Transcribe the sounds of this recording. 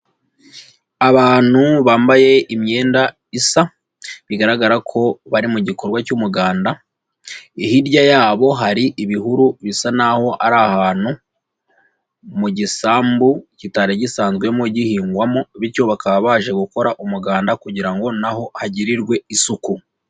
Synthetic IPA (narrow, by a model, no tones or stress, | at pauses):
aβaːn̥huβaːmbaje̞imɲe̞ːnda | isa | βiɡaɾaɡaɾakʰo̞βaɾimuɟiko̞ɾɡwacumuɡaːnda | ihiɾɟajaːβo̞ɦaɾiʔiβiɦuɾuβisanaho̞ʔaɾahaːn̥hu | muɟisaːmbucitaɾeɟisaːnzɡwe̞mo̞ɟihiːŋɡwamo̞βiɾco̞βakaβaβaːʒe̞ɡuko̞ɾaʔumuɡaːndakuɟiɾaŋɡo̞naho̞haɟiɾiɾɡwe̞isuku